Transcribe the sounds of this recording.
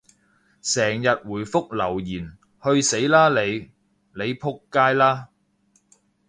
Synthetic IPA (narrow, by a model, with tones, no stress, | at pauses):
sɛː˨˩ŋjɐ˨t̚wuː˨˩jfʊ˥k̚lɐ˨˩wjiː˨˩n | hɵ˧ɥse˨˥jlaː˥le˨˧j | le˨˧jpʰʊ˥kːaː˥jlaː˥